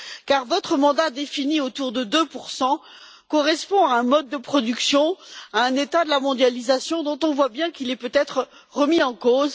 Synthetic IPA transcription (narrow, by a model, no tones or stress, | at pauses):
kaʁvɔt̪χəmɑ̃d̪ad̪efiniot̪uʁd̪əd̪øpuʁsɑ̃ | kɔʁɛspɔ̃aɛ̃mɔd̪̚ːəpχɔd̪yksjɔ̃aɛ̃net̪ad̪əlamɔ̃d̪jalizasjɔ̃d̪ɔ̃t̪ɔ̃vwabjɛ̃kilɛpøt̪ɛt̪χə | ʁəmiɑ̃koz